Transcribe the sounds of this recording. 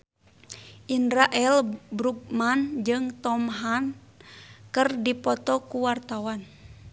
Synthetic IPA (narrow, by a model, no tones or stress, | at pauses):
ʔinɾaʔɛlbɾuk̚mand͡ʒɨŋt̪ɔmɦan | kɨrdipɔt̪ɔkuwart̪awan